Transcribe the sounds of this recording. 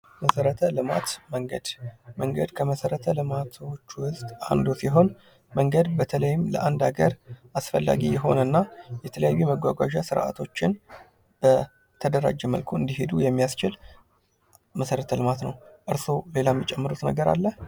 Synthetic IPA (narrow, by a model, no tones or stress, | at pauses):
məsəɾət̪ʰəlɨmat̪məŋɡə̰d̪məŋɡəd̪kʰəməsəɾət̪ʰəlɨmat̪ʰo̞t͡ʃːwʊzt̪ʼa̰nd̪osiɦo̞n | məŋɡəd̪bət̪ʰələjːɪmlə̰ʔand̪aɡəɾʔasfəlːa̰ɡijɛɦo̞̰nənːajɛt̪ʰələjajːuməɡʷaɡʷaʒasɨɾʔa̰t̪ʰo̞t͡ʃːɪn | b̥ə | t̪ʰəd̪əɾa̰d͡ʒɛməlkʰoɨnd̪iɦe̞d̪ujɛmːijast͡ʃɪl | məsəɾət̪ʰəlɨmat̪nəwʔɨɾso̞le̞lamːit͡ʃʼɛmːəɾut̪nəɡəɾa̰lːəh